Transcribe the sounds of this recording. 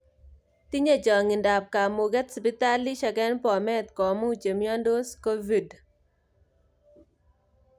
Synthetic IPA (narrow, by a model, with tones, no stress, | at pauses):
t̪i˦ɲe˦˨d͡ʒɔ˨ŋi˨nda˨p̚ka˨mo˨ɡɛ˦t̪spi˦t̪a˦li˦ʃa˨kɛ˦npɔ˨mɛ˦t̪kɔ˨mu˦t͡ʃe˨mjɔ˦ndo˦sko˦vi˨d